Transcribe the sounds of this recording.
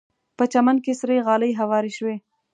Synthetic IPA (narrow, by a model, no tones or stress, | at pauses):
pət͡ʃamankesɾejɣɑləjɦawɑɾeʃwe